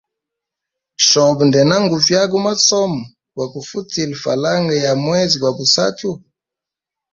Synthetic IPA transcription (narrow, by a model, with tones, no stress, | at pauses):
ʃɔ˨bndɛ˨na˦ŋɡu˨vja˦k̬u˦ma˦sɔ˦mɔ˨ | kwa˨ku˨fu˦ti˨li˨fa̰˨la˦ŋɡɛ˨ja˨mwɛ˦zi˨ɡwa˨bu˨sa̰˦tu˦